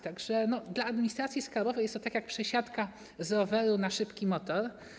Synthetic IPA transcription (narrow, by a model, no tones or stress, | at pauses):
t̪aɡʐɛnɔd̪laːd̪mʲnɲʲist̪ɾat̪sʲjiskalbɔvɛjɛst̪ɔt̪akʲjak̚pʂɛɕat̪ka | zɾɔvɛɾunaʂɘpkʲimɔt̪ɔɾ